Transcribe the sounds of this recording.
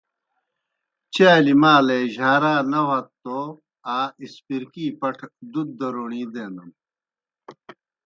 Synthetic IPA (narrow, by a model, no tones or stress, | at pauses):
t͡ɕaːlimaːleːʑaːɾaːnɐwɐt̪ːo | aːispiɾkiːpɐʈʰd̪ud̪̚ːɐɾoːɳiːd̪eːnd̪ɐm